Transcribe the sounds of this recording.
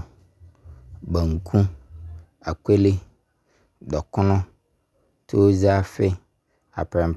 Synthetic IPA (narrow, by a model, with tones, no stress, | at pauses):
be˨ŋ̩˨kʰũ˦ | a˨ke˦le˦ | ɖɔ˨kɔ˦nɔ̃˦ | te˦wo˦zi˦a˦fe˦ | a̰˨pɾɛ̃˨m˨